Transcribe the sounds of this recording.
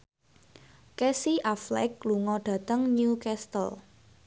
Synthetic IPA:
kɛsiʔaflɛ̰k̚luŋɔɖ̥ä̤t̪əŋnukɛst̪əl

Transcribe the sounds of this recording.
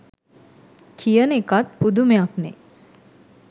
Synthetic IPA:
kʰijənekat̪̚pud̪umejaknɛ̰

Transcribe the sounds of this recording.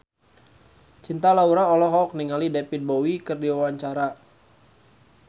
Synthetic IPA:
t͡ʃint̪alauɾaɔlɔɦɔk̚niŋalidepit̪̚bowikɨrdiwawaɲt͡ʃaɾa

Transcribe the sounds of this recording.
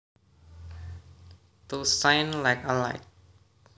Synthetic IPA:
t̪usaɪnlajkanlaɪt̚

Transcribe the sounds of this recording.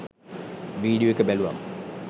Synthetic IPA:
ʋiːɖioekəbælua̰mə

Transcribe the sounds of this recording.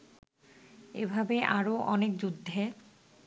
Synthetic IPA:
ebʱabeʔaɾoʔɔnek̚d͡ʑud̪ʱːe

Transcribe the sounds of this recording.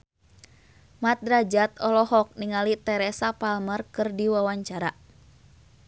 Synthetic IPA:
mat̪̚ɾad͡ʒat̪̚ɔlɔɦɔk̚niŋalit̪ɛɾɛsapalmərkɨrdiwawaɲt͡ʃaɾa

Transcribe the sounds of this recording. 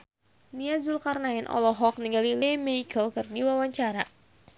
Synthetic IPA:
niazulkarnaɪnʔɔ̰lɔɦɔk̚niŋɡalilɛmɛikʰəlkɨrdiwawaɲt͡ʃaɾa

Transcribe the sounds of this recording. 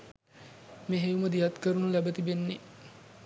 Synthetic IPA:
meɦejuməd̪ijɐt̪kəɾunulæbət̪ibenːe

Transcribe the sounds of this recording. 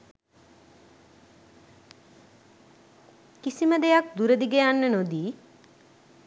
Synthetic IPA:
kisiməd̪ejak̚d̪uɾəd̪iɡejanːənod̪iː

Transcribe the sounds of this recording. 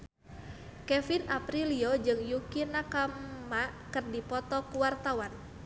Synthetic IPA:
kɛfinʔapɾiliod͡ʒɨŋjukinakammaʔkɨrdipɔt̪ɔkuwart̪awan

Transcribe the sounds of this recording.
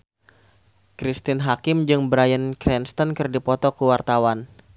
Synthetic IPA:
kɾist̪ɪnɦakɪmd͡ʒɨŋbɾajənkɾɛnst̪ɔnkɨrdipɔt̪ɔkuwart̪awan

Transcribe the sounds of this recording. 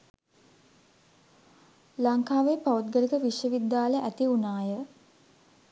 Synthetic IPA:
laŋkaːʋeːpaut̪̚ɡəlikəʋiʃjəʋid̪ːaːləʔæt̪iunaːjə

